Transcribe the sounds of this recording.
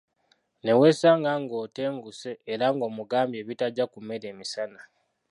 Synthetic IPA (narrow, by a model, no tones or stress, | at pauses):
ne̞we̞ːsaːŋɡaŋɡo̞ːte̞ːŋɡuse̞ːɾaŋɡo̞ːmuɡaːmbje̞ːβitaɟːakume̞ɾe̞ːmisana